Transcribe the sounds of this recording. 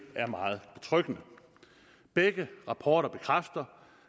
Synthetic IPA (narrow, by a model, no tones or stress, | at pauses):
æɐmɑ̈ːð̩ˠb̥e̝t͡sʰʁœɡ̥ənə | b̥eɡ̥əʁɑ̈pʰɒːɾ̥ɐb̥e̝kʰʁafd̥ɐ